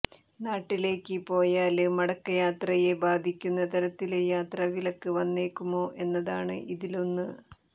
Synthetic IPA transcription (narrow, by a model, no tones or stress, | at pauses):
naːʈːile̞ːkːɨpo̞ːjaːlɨmɐɽɐkːɐjaːt̪rɐje̞baːd̪ʱikʲːunːɐt̪ɐɾɐt̪ːilejaːt̪rɐʋilɐkːɨʋɐnːeːkːumo̞ːʔe̞nːɐðaːɳɨ̰ʔiðilo̞nːɨ